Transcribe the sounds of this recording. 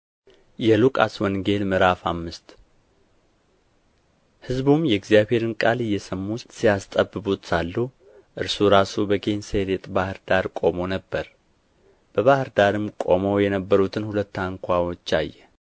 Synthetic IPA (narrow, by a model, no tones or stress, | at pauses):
jɛlukʼa̰swɔŋɡe̞lmɨɾafa̰mːɨst̪ | hɨzbumjɛɡzijaβhe̞ɾɨnkʼalɨjːɛsəmːusijast̪ʼəbːɨbut̪salːu | ʔɨɾsuɾasubəɡenseɾet̪ʼbahɨɾd̪aɾkʼo̞mo̞nəbːəɾ | b̥əβahɨɾd̪aɾɨmkʼo̞̰mojɛnəbːəɾut̪ʰɨnhulət̪ːaŋkʰʷawot͡ʃːajːɛ